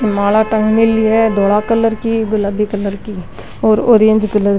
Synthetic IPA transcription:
maːlaːʈə̃ŋɡmeliɛd̪oːlaːkəlːəɾkiːɡʊlabiːkəlːəɾkiː | oːɾoːɾeə̃ɲd͡ʒkəlːəɾ

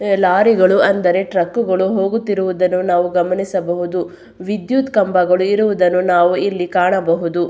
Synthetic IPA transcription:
laːɾiɡɐɭuɐnd̪ɐɾe̞ʈɾɐkːuɡɐɭuɦo̞ːɡut̪ːiɾuʋud̪ɐnːunaːʋuɡɐmɐnisɐbɐɦud̪u | ʋid̪jut̪kɐmbɐɡɐɭuiɾuʋud̪ɐnːunaːʋuilːikaːɳɐbɐɦud̪u

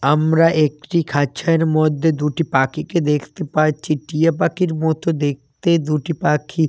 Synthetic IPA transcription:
amɾaʔek̚ʈikʰaʃʰaeɾmod̪ʱːed̪uʈipakiked̪ekʰt̪epaɾt͡ɕʰiʈijapakiɾmɔt̪ʰod̪ek̚ʰt̪ed̪uʈipakʰi

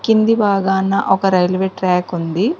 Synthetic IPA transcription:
kind̪ibaːɡaːnːɐʔɔkɐɾɐjlʋeːʈɾaːkund̪i

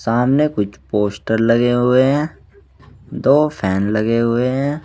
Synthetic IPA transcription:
saːmnekʊt͡ʃʰpoːsʈəɾlɐɡeɦʊeɦɛ̃ː | d̪oːpʰɛːnlɐɡeɦʊeɦɛ̃ː

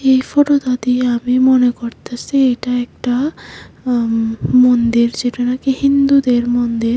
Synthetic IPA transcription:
ejfɔʈot̪ad̪iamimɔnekoɾt̪ʰasiejʈaɛk̚ʈa | mond̪iɾd͡ʒeʈanakehind̪ud̪eɾmɔnd̪iɾ

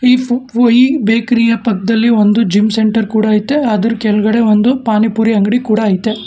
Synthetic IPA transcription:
iːoibeːkɾijɐpɐkd̪ɐlːiond̪ud͡ʒimseɳʈɐɾkuːɽɐːjit̪ːeɐd̪ɐɾukɛlɐɡɐɽe̞ond̪upaːnipuːɾiɐŋɡɐɽikuːɽɐːjit̪ːe

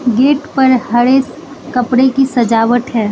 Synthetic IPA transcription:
ɡeːʈpɐɾɦɐɽeːs | kɐpɽekisɐd͡ʒaːʋəʈ̪ɦɛː

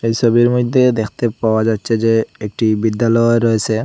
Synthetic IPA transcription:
ejʃɔbiɾmod̪ʱːed̪ekʰt̪epaoad͡ʑatːɕʰed͡ʑeek̚ʈibid̪ːalɔeɾɔet͡ɕʰe

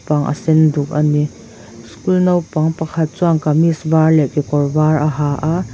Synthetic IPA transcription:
pɐŋʔɐ̰sɛnduk̚ɐni | skulnɐwpɐŋpɐkʰɐt̪̚t͡suaŋkɐmisbarlɛʔkikɔrbaɾʔɐɦaʔa

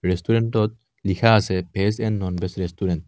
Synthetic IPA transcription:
ɾest̪uɾenʈɔt̪̚ | lixaːsepesenːɔnbesɾest̪uɾent̪

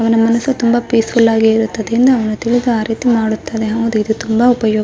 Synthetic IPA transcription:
ɐʋɐnɐmɐnɐsːut̪umbɐpiːsfʰulːaːɡiiɾut̪ːɐd̪ɐɾind̪ɐːʋɐnut̪iɭid̪uaːɾiːt̪imaːɽut̪ːɐd̪eɦɐʋud̪uid̪ut̪umbɐupɐjɔː

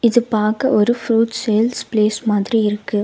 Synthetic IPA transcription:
ɪðɯpaːɾkɐʔɔɾɯfɾuːʈseːlspleːsmaːðɪɾiɪɾɯkːɯ

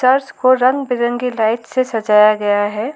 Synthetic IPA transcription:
sɐɾskoɾɐ̃ŋɡbɪɾə̃ŋɡilaːɪʈsesɐd͡ʒaːjaɡɐjaɦɛː

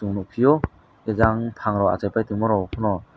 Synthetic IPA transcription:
uŋnɔkʰijɔ | ezaŋtʰaŋɾɔa̰t͡ʃajpʰajtɯŋmɔɾɔkʰɔnɔ

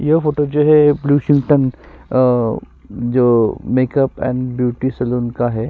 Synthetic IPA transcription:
jɐɦfoːʈod͡ʒoːɦɛbluːʃɪ̃ŋɡʈən | d͡ʒoːmeːkəpɛ̰̃ːɳɖbjuːʈisɐluːnkaɦɛː

